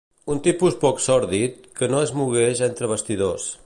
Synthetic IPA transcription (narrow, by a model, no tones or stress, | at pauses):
unt̪ipuspɔksɔɾðit̪̚kənoəzmuɣ̞eʃent̪ɾəβ̞əst̪iðos